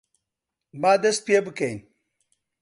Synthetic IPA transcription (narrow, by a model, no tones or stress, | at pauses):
bad̪ɐs̚pijebɨkɐin